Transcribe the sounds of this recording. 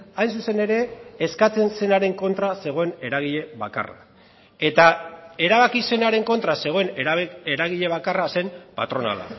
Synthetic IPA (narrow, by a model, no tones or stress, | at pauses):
ajnsuse̞ne̞ɾe̞ːskat͡se̞nse̞naɾe̞ŋko̞nt̪ɾase̞ɣ̞o̞e̞ne̞ɾaɣ̞iʎe̞βaka̰ra̰ | e̞t̪ae̞ɾaβ̞akise̞naɾe̞ŋko̞nt̪ɾase̞ɣ̞o̞e̞neɾaɣiʎe̞β̞akarase̞mpa̰t̪ɾo̞na̰la̰